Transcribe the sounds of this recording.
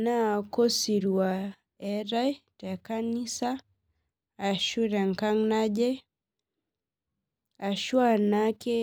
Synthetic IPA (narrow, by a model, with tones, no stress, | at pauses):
na˦˨kɔ˦si˨ɾu˨a˨ | ɛ˦ɾa˦jtɛ˨ka˦ni˦saː˦˨ | ʃu˦ɾɛ˨ŋka˦ŋna˦d͡ʒɛ˦ | a˨ʃwa˦na˦kɛ˦